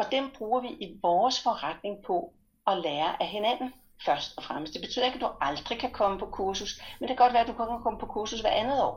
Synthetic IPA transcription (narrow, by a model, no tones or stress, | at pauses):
ɒ̽d̥emb̥ʁuːɐʋiʔiʋɒːsfɒ̽ʁad̥ne̝ŋpʰɒ̽ | ɒ̽leːɐʔæɦe̝næn̰n̩ | fɶɐsd̥ɒ̽fʁaməsd̥e̝b̥e̝y̰ðˠɐeɡ̥æd̥uɑ̈ld̥ʁikʰækʰɒ̽məpʰɒ̽kʰuɐsusmend̥ekʰæɡɒ̽d̥ʋæːɐd̥ukʰɒ̽mkʰækʰɒ̽məpʰɒ̽kʰuɐsusʋæɐænð̩ˠɒ̰ː